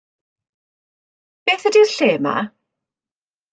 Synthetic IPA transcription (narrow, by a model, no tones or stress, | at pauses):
b̥eːθədirɬeːma̰